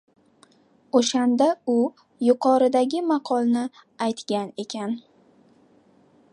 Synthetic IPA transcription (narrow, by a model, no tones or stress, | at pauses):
oʃand̪aʊ | jʊqʰɒɾɪd̪aɡʲɪmɑqʰɒlˠnɪ | ajt̪ɡʲane̞kʲʰan